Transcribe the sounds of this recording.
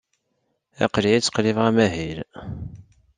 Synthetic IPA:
æ̰qliit͡sːə̥qlivʁæmæɦil

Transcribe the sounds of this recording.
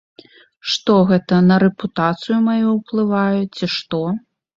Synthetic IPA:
ʂt̪ɔɣɛt̪ɐnɐɾɛput̪at̪sɨjumajuwplˠɨvajut͡sʲiʂt̪ɔ

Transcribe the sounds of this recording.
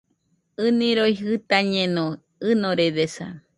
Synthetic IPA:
ɨnĩɾojɦɨt̪aɲẽnõ | ɨnõɾeðesa̰

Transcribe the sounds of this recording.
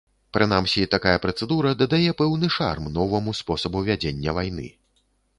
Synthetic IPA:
pɾɨnamsʲit̪akajɐpɾɐt̪sɛd̪uɾɐd̪ɐd̪ajɛpɛwnɨʂa̰rmnɔvɐmuspɔsɐbuvʲad͡zʲenʲːɐvajn̪ɨ̰

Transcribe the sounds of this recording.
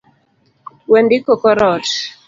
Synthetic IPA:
wɛndɪkɔkɔɾɔt

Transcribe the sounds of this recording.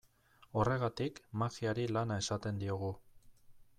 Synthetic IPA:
o̞re̞ɣat̪ikmaɣiaɾilanae̞sat̪e̞nd̪io̞ɣ̞u

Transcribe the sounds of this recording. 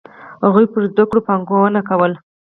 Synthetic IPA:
haɣujpəɾzd̪akɽopaŋɡowənakawəl

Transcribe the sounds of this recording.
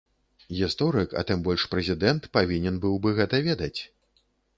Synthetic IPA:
ɣʲist̪ɔɾɨkɐ̰t̪ɨmbɔlʲʂpɾɛzʲid̪ɛnt̪pavʲinʲɛnbɨwbɨɣɛt̪ɐvʲɛd̪ɐt͡sʲ

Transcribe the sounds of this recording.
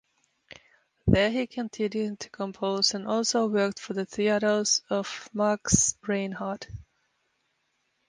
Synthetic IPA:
ðə˞ikʰə̃ntʰɪ̃njʉd̚tʰə̥kʰə̃mpʰoʊzə̃nɔlˠsoʊwɜ˞k̚tfə˞ðɨθiɨɾə˞z̥ʌv̥mɑɹksɹẽɪ̃nhɑɹd̥

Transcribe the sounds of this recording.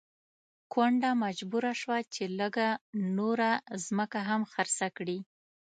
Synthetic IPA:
kwaɳɖamad͡ʒbuɾaʃwat͡ʃeləɡanoɾazməkaɦamxaɾsakɽi

